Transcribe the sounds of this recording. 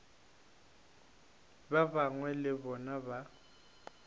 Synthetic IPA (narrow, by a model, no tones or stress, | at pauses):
baβaŋwɛlɪβɔnaβa